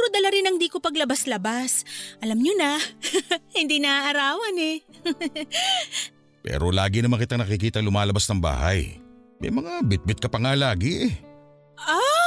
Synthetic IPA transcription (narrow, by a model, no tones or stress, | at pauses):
ɾod̪ɐlaɾɪnɐŋd̪iːkopɐɡlɐbaslɐbasʔɐlamɲonɐ | hɪnd̪iːnɐʔɐɾaːwɐnɛ | pɛ̰ːɾolaːɡɪnɐmankɪt̪aŋnɐkɪk̬iːt̪ɐlʊmaːlɐbasnɐŋba̰ːhɐ̰j | mɐ̰jmɐŋabɪt̪̚bɪt̪̚kɐpɐŋalaːɡɪʔɛ | ʔo